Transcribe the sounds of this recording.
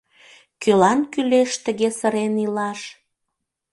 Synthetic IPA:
kølɑnkyleʃt̪ə̆ɣesə̆ɾenilɑʃ

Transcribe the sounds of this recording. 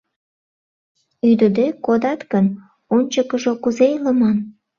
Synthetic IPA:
yd̪əd̪ekod̪ɑt̪ɡən | onʲt͡ɕəkəʒokuzejləmɑn

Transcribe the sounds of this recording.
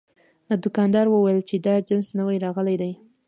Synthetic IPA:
d̪ʊkɑnd̪ɑɾwəwajəlt͡ʃed̪ɑd͡ʒɪnsnəwajɾɑɣəlajd̪aj

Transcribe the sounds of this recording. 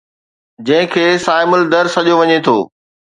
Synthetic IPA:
d͡ʑɐ̃ɦɪ̃kʰeːsaːɪməld̪ɐɾsɐʄoʋɐɲet̪ʰoː

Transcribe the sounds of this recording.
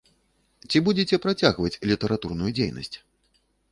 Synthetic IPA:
t͡sʲibud͡zʲet͡sʲɛpɾat͡sʲaɣvɐt͡sʲlʲit̪ɐɾat̪urnujud͡zʲejnɐ̰sʲt͡sʲ

